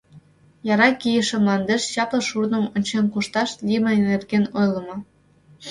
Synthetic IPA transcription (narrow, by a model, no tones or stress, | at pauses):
jɑɾɑkijə̆ʃĕmlˠɑnd̪eʃɕɑplɤ̆ʃurnə̆mŏnʲt͡ɕenkuʃt̪ɑʃlʲimə̆enerɡenojlˠɤ̆mɤ̆